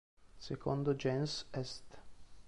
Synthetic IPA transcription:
sekʰond̪od͡ʒɛnsɛst̪

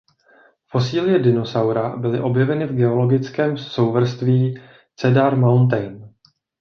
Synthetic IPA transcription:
fo̞siːlɪjɛdɪno̞sawɾabɪlɪʔo̞bjɛvɛnɪvɡɛo̞lo̞ɡɪt͡skɛːmso̞wvr̩st̪viː | t͡sɛdaɾmawnt̪̬ɛjn

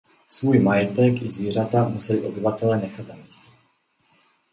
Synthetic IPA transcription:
svuːjmajɛt̪ɛkɪzviːr̝at̪amusɛliʔo̞bɪvat̪ɛlɛːnɛxat̪namiːscɛ

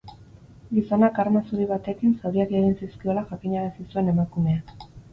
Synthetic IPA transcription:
ɡiso̞nakaɾmasuɾiβ̞at̪e̞kinsawɾiakeɣinsiskio̞laʝakiɲaɾasisue̞ne̞makume̞a

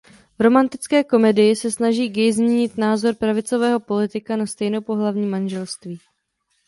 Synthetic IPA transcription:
vɾo̞mant̪ɪt͡skɛːko̞mɛdɪjɪsɛsnaʒiːɡɪjzmɲɛɲɪt̪naːzo̞ɾpɾavɪt͡so̞vɛːɦo̞po̞lɪt̪ɪkanast̪ɛjnopo̞ɦlavɲiːmanʒɛlst̪viː

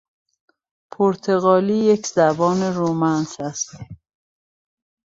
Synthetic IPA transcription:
pʰoɾt̪ʰeɣɒːliːjecʰzæbɒːne̞ɾomænsæst̪

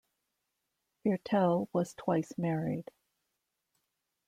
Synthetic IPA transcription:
hɛɹtʰɛlˠwʌz̥tʰw̥aɪsmɛɹid̥

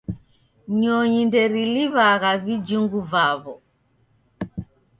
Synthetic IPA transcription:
ɲɔɲindɛɾiliβaɣavid͡ʒuŋɡuvaβɔ

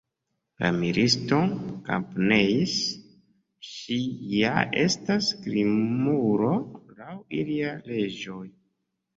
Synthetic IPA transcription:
la̰miɾʔisto̞ka̰mpnejs | ʃijaʔe̞staskɾimuɾo̞lawiliale̞d͡ʒo̞j

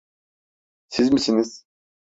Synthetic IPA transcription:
sizmisiniz̥

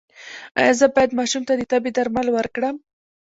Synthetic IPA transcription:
a̰jɑzəbɑjad̪mɑʃumt̪ad̪ət̪abed̪aɾmalwəɾkɽəm

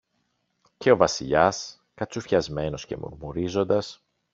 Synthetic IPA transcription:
ce̞o̞vɐsiʎɐs | kɐt͡sufçɐzme̞no̞sce̞̰mo̰ɾmuɾizo̞nd̪ɐs

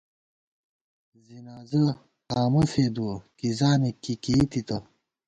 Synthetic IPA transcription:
zinaːzɐ | aːmɐseːd̪ukizaːmikikiːt̪it̪ɐ

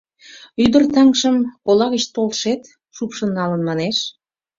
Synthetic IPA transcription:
yd̪ə̆rt̪ɑŋʃəmkolɑɣət͡ɕt̪olʃet̪ | ʃupʃə̆nːɑlənmɑneʃ

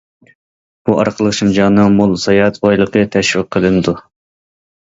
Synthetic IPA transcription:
b̥uʔɑɾqʰəlˠəχʃumd͡ʒɑnɨŋmulˠsɑjɑt̪ʰɑjlˠəqʰət̪ʰɛʃwɪq̚ʰːəlˠɨnɨd̪u

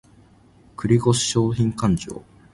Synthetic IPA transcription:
kɯ̟ɾʲiɡo̞ɕi̥ɕo̞ːçĩŋkãɲ̟d͡ʑo̰ː

